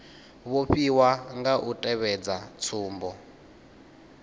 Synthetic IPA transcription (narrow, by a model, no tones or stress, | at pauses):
βoɸiwaŋɡaʔutʼɛβɛd͡zat͡sʰuːmbɔ